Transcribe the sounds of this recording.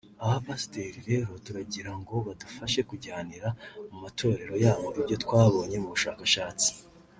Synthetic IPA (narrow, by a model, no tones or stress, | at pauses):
ahapasi̥te̞ːɾiɾe̞ːɾo̞tuɾaɟiɾaŋɡo̞βadufaʃe̞kuɟaːniɾamumatʰo̞ːɾe̞ɾo̞jaːβoʔibjo̞twaːβo̞ːɲe̞muβuʃa̰ːkaʃaːt͡si̥